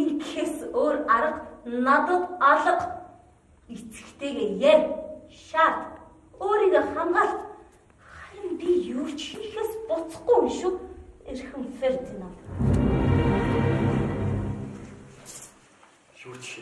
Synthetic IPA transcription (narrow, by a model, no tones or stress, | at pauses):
iŋkxeːsoːraɾə̆qnat̪ə̆t̪ɔɮɞ̆q | it͡sɘ̥̆kt̪ʰeːɣeːjæʃaːt̪ | oːɾiːɣeχamɢaːɬt̪ | χaɾʲɪ̆mpʲijuːt͡ɕxiŋxeːspʊt͡sə̥̆χɡujiʃŭkerxɘ̆mfert̪na